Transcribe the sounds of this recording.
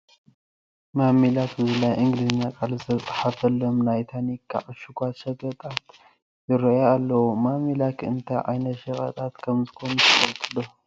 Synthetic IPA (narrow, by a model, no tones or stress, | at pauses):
mamilakɨzɨlajʔɨŋɡliznakʼalzɨt̪ʰɐt͡sʼḁħafɐlomnajt̪ʰanikʰːa̰ʕɨʃɨɡʷat̪ʃɐɡɐt̪ʼat̪ | jɨɾɐjaːlːɐwumamilakʰɨnt̪ʰajʕa̰jnɐt̪ʃɐxʼɐ̰t̪ʼat̪kʰɐmzɨko̞nut̪ʰɨfɐlt̪ʼɨlːo